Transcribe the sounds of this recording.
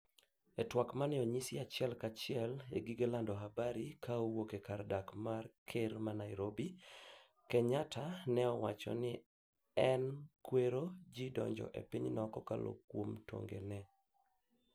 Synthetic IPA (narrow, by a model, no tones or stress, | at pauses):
ɛtwakmanɪɔɲisɪat͡ʃɛlkat͡ʃɪɛlḛɡiɡelandɔɦabaɾikʰaowokekardakmarkʰermanaɪɾobi | kɛɲatʰanɛɔwa̰t͡ʃɔ̰nɪ | ɛnkweɾod͡ʒidɔ̰ɲd͡ʒɔ̰ʔḛpiɲnɔkɔka̰lo̰kwomto̰ŋɡḛnɛ